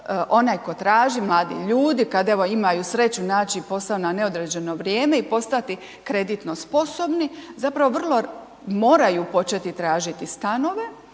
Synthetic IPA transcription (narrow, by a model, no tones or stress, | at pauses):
ʔo̞najko̞t̪ɾaːʒimlˠaːd̪ḭʎuːd̪ikad̪e̞ʋo̞imajusɾe̞t͡ɕunaːt͡ɕipo̞st̪aonane̞o̞d̪ɾed͡ʑe̞no̞ʋɾjeːme̞ipo̞st̪at̪i | kɾe̞d̪it̪no̞spo̞so̞bnizapɾaʋo̞ʋr̩lˠo̞ | mo̞ːɾajupo̞t͡ʃet̪it̪ɾaːʒit̪ist̪ano̞ʋe̞